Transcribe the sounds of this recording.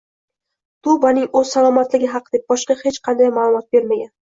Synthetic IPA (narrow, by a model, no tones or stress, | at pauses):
t̪ʊbanɪŋɵz̥salˠɒmat̪lɪɡʲɪɦɑqːd̪ep̚bɒʃqɑhe̞t͡ʃqʰɑnd̪ajmaːlˠʊmɒt̪̚be̞ɾmaɡʲan